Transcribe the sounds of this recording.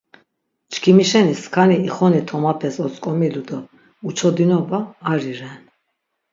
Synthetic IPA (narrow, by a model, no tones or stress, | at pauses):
t͡ʃkʰimiʃɛniskʰaniːχɔnit̪ʰɔmapʰɛsɔt͡sʼkʼɔmilud̪ɔ | ut͡ʃʰɔd̪inɔbaːɾiɾɛn